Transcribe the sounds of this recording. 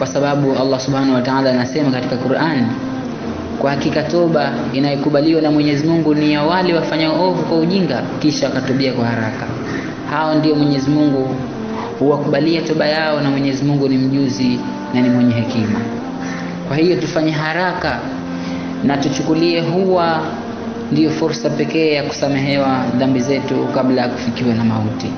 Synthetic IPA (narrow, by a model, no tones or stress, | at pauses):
kwasaɓaɓualˠːasuɓhanawataalaːnasɛmakatikakuɾʔani | kwahakikatɔɓa | inajɔkuɓaliwanamwɛɲɛzimuŋɡunijawalɛwafaɲauɔvukwauʄiŋɡakiʃawakatɔɓiakwahaɾaka | haɔndiɔmwɛɲɛzimuŋɡu | huwakuɓaliatɔɓajaɔnamwɛɲɛzimuŋɡunim̩ʄuzi | nanimwɛɲɛɦɛkima | kwahijɔtufaɲɛɦaɾaka | natut͡ʃukuliɛɦuwa | ndijɔfuɾsapɛkɛːjaku̥samɛɦɛwaðambizɛtukaɓlajaku̥fikiwanamauti